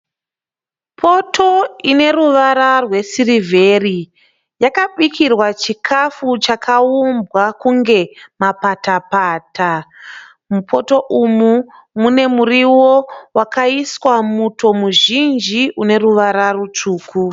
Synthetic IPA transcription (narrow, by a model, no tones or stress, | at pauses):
pʰo̞tʰo̞ine̞ruʋaɾarwe̞sirivʱe̞ri | jakaɓikʰirwat͡ʃikʰafut͡ʃakʰaumbwakuŋɡe̞mapatapaːtʰa | mupʰo̞to̞ʔumu | mune̞muriwo̞wakaiswamuto̞muʒind͡ʒiʔune̞ruʋaɾarut͡ʂuːkʰu